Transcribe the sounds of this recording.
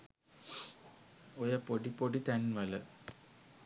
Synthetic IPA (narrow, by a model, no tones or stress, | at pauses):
ojɐpːoɽipːoɽit̪ɐnʋɐlɐ